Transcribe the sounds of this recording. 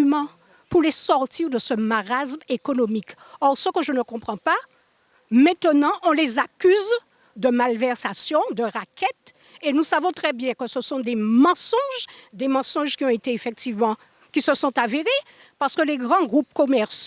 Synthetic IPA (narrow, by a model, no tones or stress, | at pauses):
mɑ̃ | puʁlesɔʁt̪iʁd̪əsəmaʁasmekɔnɔmik | ɔʁsəkəʒənəkɔ̃pχɑ̃pa | mɛ̃t̪ənɑ̃ʔɔ̃lezakʲyz | d̪əmalvɛʁsasjɔ̃d̪əʁakʰʲɛt̪ | enusavɔ̃t̪χɛbjɛ̃kəsəsɔ̃d̪emɑ̃sɔ̃ʒd̪emɑ̃sɔ̃ʒkʲiɔ̃et̪eːfɛk̚t̪ivmɑ̃ | kʲisəsɔ̃t̪aveʁe | paʁsə̥kəleɡʁɑ̃ɡʁupkɔmɛʁs